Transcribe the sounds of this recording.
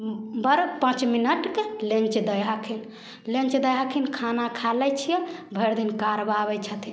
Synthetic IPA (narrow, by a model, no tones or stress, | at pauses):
bəɾpãt͡ʃminəʈkelẽnt͡ʃd̪əjɦakʰin | lẽnt͡ʃd̪əjɦakʰinkʰanakʰalɛt͡ʃʰijɛbʱəɾd̪inkaɾbabɛt͡ʃʰət̪ʰi